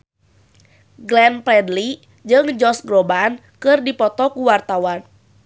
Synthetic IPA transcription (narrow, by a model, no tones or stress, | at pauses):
ɡlɛnpɛdli | d͡ʒɨŋd͡ʒɔsɡɾɔban | kɨrdipɔt̪ɔkuwart̪awan